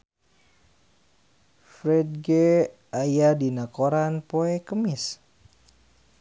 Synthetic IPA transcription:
fɾɛd̚ɡe | ajadinakoɾanpoɛkəmis

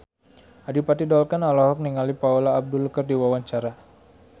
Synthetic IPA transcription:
adipat̪idɔlkanalɔɦɔk̚niŋalipaulaːb̚dulukardiwawaɲt͡ʃaɾa

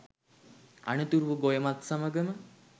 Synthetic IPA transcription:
a̰nət̪uɾuʋəɡojəmat̪saməɡəmə

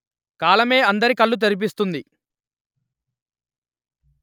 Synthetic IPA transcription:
kaːlɐme̞ːɐnd̪ɐɾikɐɭːut̪̬eɾip̬ist̪und̪i

